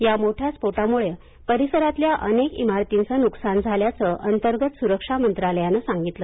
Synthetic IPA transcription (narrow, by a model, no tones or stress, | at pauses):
jamoʈʰjaspoʈamuɭe | pəɾisəɾat̪ljaʔənekḭmaɾt̪int͡sənuksand͡zʱaljat͡səʔənt̪əɾɡət̪suɾəkʂamənt̪ɾaləjanəsãŋɡit̪lə